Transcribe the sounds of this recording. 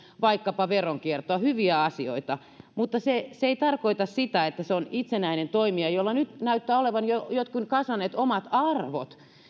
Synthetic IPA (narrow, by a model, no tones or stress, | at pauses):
ʋɑikːɑpɑʋeroŋkiert̪oɑhyʋiæɑsio̰it̪ɑ | mut̪ːɑseseeit̪ɑrkoit̪ɑssit̪æet̪ːæseonit̪senæinent̪oimiɑjolːɑnyt̪næyt̪ːæːoleʋɑnjojot̪kunkɑsʋɑnːˑeːt̪omɑt̪ɑrʋo̰t̪